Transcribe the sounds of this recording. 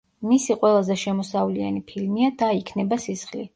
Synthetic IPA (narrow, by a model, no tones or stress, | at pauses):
misiqʼwɛlˠazɛʃɛmɔsavlia̰nipʰilmiad̪aikʰnɛbasisχlḭ